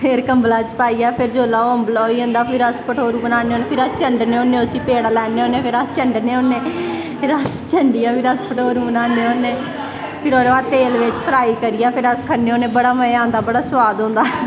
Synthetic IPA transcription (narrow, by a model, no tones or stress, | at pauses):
pʰɪɾkəmblaːt͡ʃpaːiːaːpʰɪɾd͡ʒoːlaːomblːoiːõːnd̪aːpʰɪɾəspəʈʰoːɾuːbənaːneoːneːpʰɪɾəst͡ʃəɳɖneːoːneːʊsiːpeːɽaːlɛːneːoːneːpʰɪɾəst͡ʃəɳɖneːonːeː | pʰɪɾəst͡ʃəɳɖijaːpʰɪɾəspəʈʰoːɾuːbənãːneːõːneː | pʰɪɾoːɾaːt̪eːlʋɪt͡ʃpəɾaːiːkəɾijaːpʰɪɾəskʰəneːoːnẽːbəɽaːməãːnd̪aːbəɽaːswaːd̪õːnd̪aː